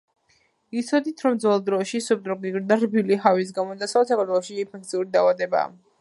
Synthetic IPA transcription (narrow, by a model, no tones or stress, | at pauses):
it̪sʰɔd̪it̪ʰɾɔmd̪zɛlˠd̪ɾɔʃisup̚t̪ʼɾɔɡiɡɾid̪aɾbiliɦavis̬ɡamɔd̪asvɛt̪s̬akʰaɾt̪ʰwɛlˠɔʃiːmpʰɛk̚t̪sʰiuɾid̪aːvad̪ɛba̰ː